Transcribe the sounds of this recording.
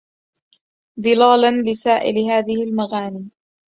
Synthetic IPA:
ðˤɨlaːlanlɪsaːʔɪ̰lɪhaːðɪhɪlmaɣaːniː

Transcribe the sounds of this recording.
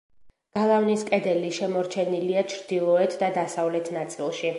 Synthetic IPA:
ɡ̥alˠavniskʼɛd̪ɛliʃɛmɔɾt͡ʃʰɛniliat͡ʃʰɾd̪̥ilˠɔɛt̪ʰd̪ad̪asavlɛt̪ʰnat̪sʼilˠʃi

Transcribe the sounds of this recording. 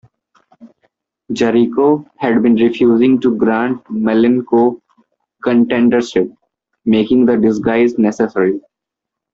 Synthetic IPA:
d͡ʒəɾikohɛɖbĩːnɾɪfjuːzɪ̃ŋɡʈuɡɾãːɳʈ̚mɛlɪ̃nkoː | kə̃ɳʈɛ̃ːɳɖəɾsɪp̚ | meːkɪ̃ŋɡd̪əɖɪs̬ɡaɪznɛsɛsəɾi

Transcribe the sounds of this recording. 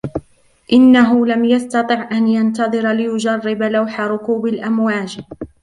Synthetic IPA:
ʔɪnːaɦʊlamjast̪ɑt̪ˤɨʕʔanjant̪ɑðˤɨɾlɪjʊd͡ʒarˤːɪbalawħaɾˤʊkuːbalʔamwaːd͡ʒ

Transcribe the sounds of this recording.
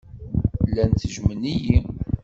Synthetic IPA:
lːænt̪ːəʒməniji

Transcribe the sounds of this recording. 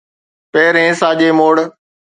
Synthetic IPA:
peːɾɦẽːsaːʄeːmoːɽ

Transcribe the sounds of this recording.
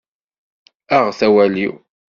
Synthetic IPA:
æʁθæwæliw

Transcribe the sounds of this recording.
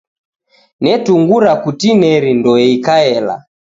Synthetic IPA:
nɛtuŋɡuɾakutinɛɾindɔɛikaɛla̰

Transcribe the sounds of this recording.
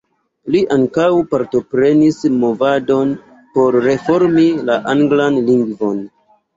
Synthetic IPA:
liʔaŋkawpaɾto̞pɾe̞nismo̞vado̞n | po̞ɾːe̞fo̞ɾmilaʔaŋɡlanliŋɡvo̞n

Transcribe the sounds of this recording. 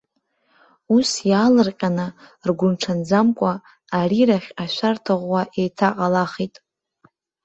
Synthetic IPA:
usjaːlɨrqʲʼanɨ | rɡʷʊnʈ͡ʂʰand͡zamkʷʼaː | ɾiɾaχʲaʃʷartʰaʁʷwaʔejtʰaqʼalaχitʼ

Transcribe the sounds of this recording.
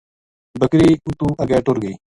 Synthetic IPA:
bəkɾeːut̪uːʔɐɡɛːʈoːɾɡəiː

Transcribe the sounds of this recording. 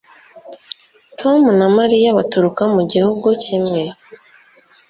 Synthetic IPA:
tʰo̞munamaɾijaβatuɾukamuɟihuɡucimŋe̞

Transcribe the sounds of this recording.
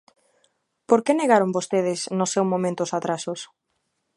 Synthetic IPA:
poɾkeneɣaɾʊmbost̪eð̞ɪsnʊsewmõmẽnt̪ʊsat̪ɾasʊs

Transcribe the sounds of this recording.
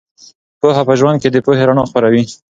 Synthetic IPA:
poɦapəʒwand̪̚ked̪əpoheɾaɳoxpəɾawi

